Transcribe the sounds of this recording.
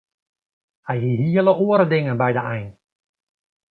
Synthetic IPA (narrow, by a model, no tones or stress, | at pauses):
hɛjɦiɦiələoəɾədɪŋənbɛjdəɛjn